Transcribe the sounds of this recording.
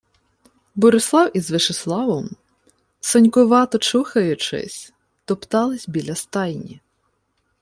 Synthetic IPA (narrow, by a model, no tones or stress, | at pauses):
bɔɾɪslˠɑwizʋɪʃeslˠɑʋɔm | sɔnʲkʊʋɑt̪ɔt͡ʃuxɐjʊt͡ʃɪ̰sʲ | t̪ɔpt̪ɑlˠɪsʲbʲilʲɐst̪ɑjnʲḭ